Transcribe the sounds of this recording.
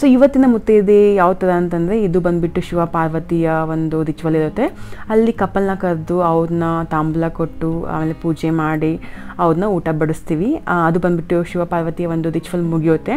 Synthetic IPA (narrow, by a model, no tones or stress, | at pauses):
soːiʋɐt̪ːinɐmut̪ːed̪ejaːʋut̪ːɐd̪ɐɐnt̪ɐnd̪ɐɾe̞id̪ubɐnd̪biʈːuʃuʋɐpaːɾʋɐt̪ijɐʋond̪ud̪it͡ʃʋɐliɾut̪ːe̞ɐlːikɐpːɐlnɐkɐɾd̪uɐʋud̪nɐt̪aːmblɐkoʈːua̰ːmeːlepuːd͡ʒemaːɽiɐʋud̪nɐuːʈɐbɐɽust̪iːʋiɐd̪ubɐnd̪biʈːuʃuʋɐpaːɾʋɐt̪ijɐʋond̪ud̪it͡ʃʋɐlmuɡijut̪ːe̞